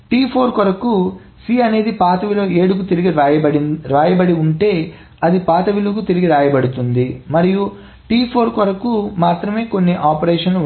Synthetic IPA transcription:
ʈiːpʰoːɾkɐɾɐku | siːɐne̞ːd̪ipaːt̪ɐʋilo̞ːe̞ːɽuk̬ut̪iɾiɡiɐɐɾaːjɐbɐɽiuɳʈe̞ː | ɐd̪ipaːt̪ɐʋiluk̬ut̪iɾiɡiɾaːjɐbɐɽut̪und̪imɐɾiju | ʈiːpʰoːɾkɐɾɐkumaːt̪ɾɐme̞ːko̞nːiʔaːpɐɾeːʂɐnlu

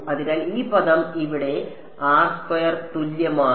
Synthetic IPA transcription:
ɐðinaːliːpɐðɐmiʋiɽe̞ | aːsfɐjɐrt̪uljɐmaː

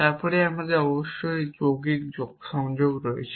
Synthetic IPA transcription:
t̪aɾpɔɾeamad̪eɔboʃːojd͡ʑoɡikd͡ʑoɡʃɔŋd͡ʑoɡɾoḛt͡ɕʰ

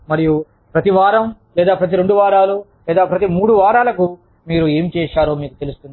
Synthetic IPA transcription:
mɐɾiju | pɾɐt̪iʋaːɾɐm | lɛːd̪aːpɾɐt̪iɾe̞ɳɖuʋaːɾaːlulɛːd̪aːpɾɐt̪imuːɽuʋaːɾaːlɐku | miːɾue̞ːmt͡ʃɛːʃaːɾo̞ːmiːkut̪e̞lust̪und̪

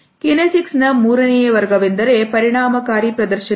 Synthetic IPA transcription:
kɪnesɪksnɐmuːɾɐnijɐʋɐɾɣɐʋɪnd̪ɐɾepɐɾɪɳaːmɐkaːɾipɾɐd̪ɐɾʃɐ

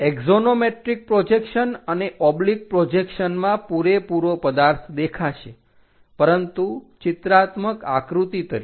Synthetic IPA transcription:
eɡzonomeʈɾik̚pɾod͡ʒekʃənəneʔɔblik̚pɾod͡ʒekʃənmãpuɾepuɾopəd̪aɾt̪ʰd̪ekʰaʃe | pəɾənt̪ut͡ʃɪt̪ɾat̪məka̰kɾut̪it̪əɾḭ

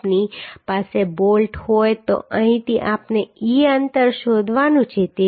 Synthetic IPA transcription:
pnipasebolʈhojt̪o̰ʔə̃ɦĩt̪iʔapneiənt̪əɾʃod̪ʱʋanũt͡ʃʰet̪e

